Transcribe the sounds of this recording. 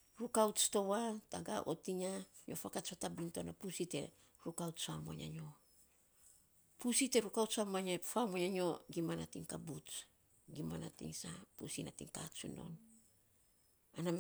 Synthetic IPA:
ɾukawt͡ʃto̞wataɡa̰ʔo̰tiɲaɲo̞fakat͡ʃatabintoanapusite̞̰ | ɾukawtsamo̰ɲa̰ɲo̞ | pusite̞ɾukawt͡ʃamaɲefamoɲaɲo̞ɡimanatiŋkabut͡ʃ | ɡimana̰tḭŋsapusinatḭŋka̰t͡ʃuno̞̰n | ana

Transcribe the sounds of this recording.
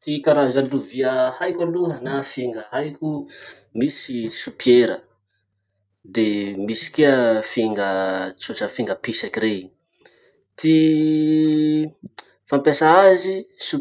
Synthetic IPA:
t̪ikaɾazaluviəhajkʲaluɦənafiŋɡəɦajkʲu | misisupeɾə | d̪emisi̥keəfiŋɡət͡soʈ͡ʂəfiŋɡəpisakiɾej | t̪i | fampesaazisu

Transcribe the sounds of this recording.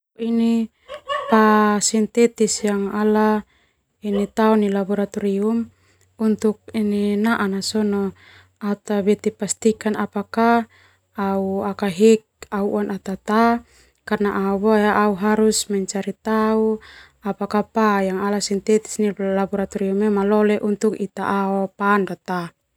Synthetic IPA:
ini | pasint̪ɛt̪isjaŋala | init̪aɔnilabɔɾat̪ɔɾium | unt̪uk̚ininaʔanasɔnɔ | at̪aβɛt̪ipast̪ikanapakaː | uakaɦɛk̚auʔanʔat̪at̪a | karnaʔaubojaʔauɦaɾusmaɲt͡ʃaɾit̪au | apakapajaŋalasint̪ɛt̪i̥snilabɔɾat̪ɔɾiumɛmalɔlɛʔunt̪ukit̪a̰ʔaɔpandat̪a

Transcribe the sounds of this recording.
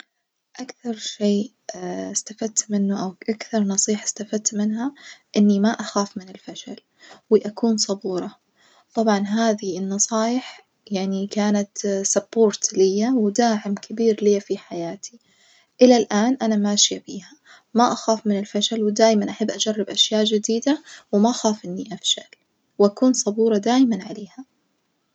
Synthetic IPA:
ʔakθɑɾˤʃeː | st̪afad̪̚t̪mɪnːʊʔawʔakθɑɾˤnɑsˤiːħɪ̥st̪afad̪̚t̪mɪnɦaʔɪnːimaʔaxaːfmɪnɪlfaʃal | wɪʔakuːnsˤɑbuːɾˤɑ | t̪ˤɑbʕɑnɦaːðiɪnːɑsˤɑːjɪħ | jaʕnikaːnat̪sɑboːɾt̪lɪjːawɪd̪aːʕɪmkʰɪbiːɾliːfiħajaːt̪i | ʔɪlalʔaːnʔanamaːʃjabiːha | maʔaxaːfmɪnɪlfaʃalwɪd̪aːjmanʔaħabːʔad͡ʒarˤːɪbʔaʃjaːʔd͡ʒɪd̪iːd̪awɪmaʔaxaːfʔɪnːiʔafʃa̰l | wʔakuːnsˤɑbuːɾˤɑd̪aːjmanʕaleːha

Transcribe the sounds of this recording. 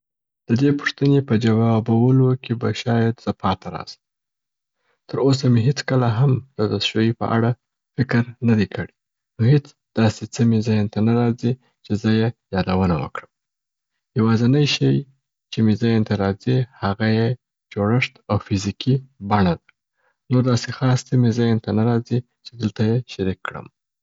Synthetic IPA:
d̪̥əd̪epʊ̥ʂt̪ənepəd͡ʒawɑbawəlokebaʃɑjad̪z̥əpʰɑt̪ʰaɾɑ̰zə | t̪əɾos̬ameɦet͡skəlaɦamd̪̥əd̪əsʃojipə̰ʔa̰ɽa | fɪkɾnad̪ekʰəɽi | nohet͡s | d̪̥ɑset͡səmezajant̪anaɾɑzi | t͡ʃezəjejɑd̪awənawə̰kɽəm | jawɑzanəjʃəj | t͡ʃemezajent̪aɾɑzihaɣaje | d͡ʒoɽəʂt̪awfizikibaɳad̪a | noɾd̪ɑsexɑst̪əmezajent̪anaɾɑzi | t͡ʃed̪əlt̪ajeʃaɾikːɽə̰m

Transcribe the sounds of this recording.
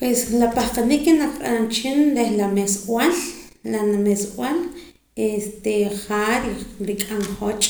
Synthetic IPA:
pweslapahqanikːenaqʼaant͡ʃinɾehlameswal | lanameswal | est̪eχaɾiɾikʼaŋχot͡ʃʼ

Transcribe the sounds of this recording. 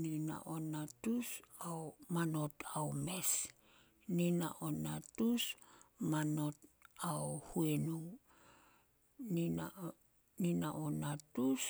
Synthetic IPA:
nina̰ʔonatusaomano̞tʰaome̞s | nina̰ʔonatusmanotaohuenu | nina | ninaʔonatus

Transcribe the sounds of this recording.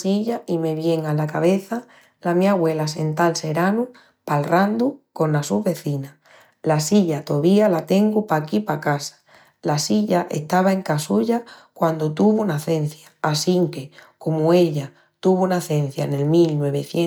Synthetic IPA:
siʎaime̞β̞je̞ŋalakaβ̞e̞θa | lamiaɣwe̞lase̞nt̪alse̞ɾanu | palrand̪uko̞nlasuɦβe̞θina | lasiʎat̪o̞βialat̪e̞ŋɡupakipakasḁ | lasiʎaʔe̞̰ht̪aβaeŋkasuʎakwand̪ot̪uβ̞unaθe̞n̟θjaːsiŋke̞komoe̞ʎa | t̪uβ̞unaθe̞n̟θjaene̞lmilnwe̞β̞eθje

